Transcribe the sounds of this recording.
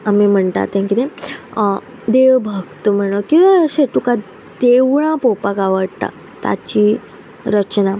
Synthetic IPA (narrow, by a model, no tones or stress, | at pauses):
amim̤əɳt̪a̰t̪jãŋkit̪e | d̪eʋbʱəɡt̪əm̤əɳəkĩʋaəɕeʈuka | d̪eʋɭãpopakaʋəɽt̪a̰ | t̪a̰t͡ɕiː | ɾət͡ɕna